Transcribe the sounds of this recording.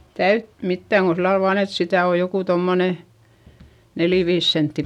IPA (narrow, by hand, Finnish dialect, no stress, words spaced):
tæyt mitːæˑŋ ɡ̊o silːɑl ʋɑːn et sitæˑ o jokuˑ tomːone neli ʋiːs sentːi